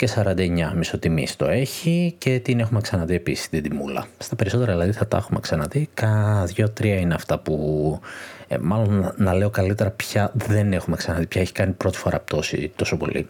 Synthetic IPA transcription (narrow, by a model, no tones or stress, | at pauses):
ce̞sɐɾɐnd̪ɐeɲɐmiso̞t̪imḭst̪o̞̰e̞çice̞t̪ine̞xume̞ksɐnɐt̪iepisi̥st̪id̪imulɐ̰st̪ɐpe̞ɾiso̞t̪eɾɐðilɐðiθɐt̪ɐ̰xume̞̰ksɐnɐt̪ikɐðʝo̞t̪ɾiɐineɐft̪ɐpu | mɐlo̞nnɐle̞o̞kɐlit̪e̞ɾɐpçɐðe̞ne̞xume̞ksɐnɐt̪ipçɐeçi̥kɐnipɾo̞t̪i̥fo̞ɾɐ̰pt̪o̞sḭt̪o̞so̞po̞̰lḭ